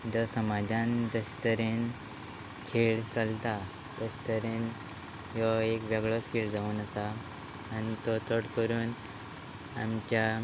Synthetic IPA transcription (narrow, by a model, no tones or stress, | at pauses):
d͡zɔsəmad͡ʑʱãnd̪əɕt̪əɾen | kʰeɭt͡səlt̪a | d̪əɕt̪əɾen | jɔekʋɛɡɭɔskʰeɭd͡zauːnəsaː | nit̪ɔt̪əɽkəɾuːn | a̰mt͡ɕja